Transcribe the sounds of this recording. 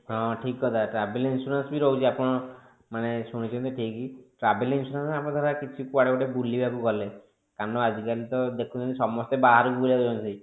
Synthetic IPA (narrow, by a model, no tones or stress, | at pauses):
ɦɔ̃ʈʰikɦɔt̪aʈɾabelinsuɾɔnsbiɾɔut͡ʃʰiapɔɽ̃ɔ | manesuɽ̃it͡ʃʰɔnt̪̬iʈʰikiʈɾabelinsuɾãnsapɔɽ̃t̪ʰaɾakit͡ʃʰikuaɽekɔʈebulibabuɡɔle | kanɔad͡ʒikalit̪ɔd̪ekʰũt͡ʃʰɔnt̪isɔmɔst̪ebaɦaɾkuɾad͡ʒɔnt̪i